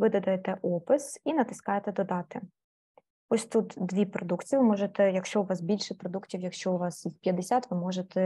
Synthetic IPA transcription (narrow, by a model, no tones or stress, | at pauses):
ʋɪd̪ɐd̪ɛjt̪ɛʔɔpɪsinɐt̪ɪ̥skɑjet̪ɛd̪ɔd̪ɑt̪ɪ | ɔsʲt̪ut̪d̪ʋʲipɾɔd̪ukt͡sʲiʋɪmɔʒet̪ɛjɐkʃt͡ʃɔʊʋɑsbʲilʲʃɛpɾɔd̪uktʲiwjɐkʃt͡ʃɔʊʋɑsispʲjɐd̪esʲat̪ʋɪmɔʒet̪ɛ